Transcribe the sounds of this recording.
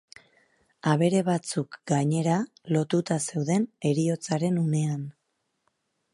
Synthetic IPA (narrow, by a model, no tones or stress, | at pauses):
aβe̞ɾe̞βat͡sukɡaɲe̞ɾa | lo̞t̪ut̪ase̞wðe̞ne̞ɾio̞t͡saɾe̞nune̞an